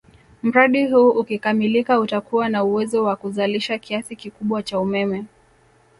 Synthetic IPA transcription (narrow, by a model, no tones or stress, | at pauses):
m̩ɾaɗiɦuːʔukikamilikautakuwanauwɛzɔwakuzaliʃakiasikikuɓwat͡ʃaumɛmɛ